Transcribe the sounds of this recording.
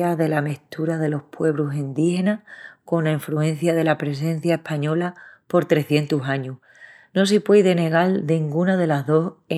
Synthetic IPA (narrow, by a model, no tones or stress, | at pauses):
aðe̞lameht̪uɾaðe̞lo̞hpwe̞β̞ɾusind̪ihe̞nako̞nlaiɱfluẽ̞n̟θjaðe̞lapɾe̞s̬ẽ̞n̟θjae̞hpaɲo̞lapo̞ɾt̪ɾe̞θje̞nt̪usaɲuh | no̞s̬ipwejðe̞ne̞ɣ̞ald̪eŋɡunaðe̞laɦðo̞se